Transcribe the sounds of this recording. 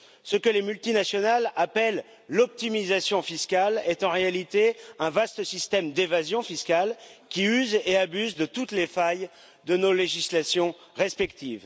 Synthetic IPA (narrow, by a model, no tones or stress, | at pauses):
səkəlemylt̪inasjɔnalapɛlː | ɔp̚t̪imizasjɔ̃fiskʲalɛt̪ɑ̃ʁealit̪eɛ̃vast̪əsist̪ɛmd̪evazjɔ̃fiskʲalkʲiyzeabyzd̪ət̪ut̪lefaj | d̪ənoleʒislasjɔ̃ | ʁɛspɛkt̪iːv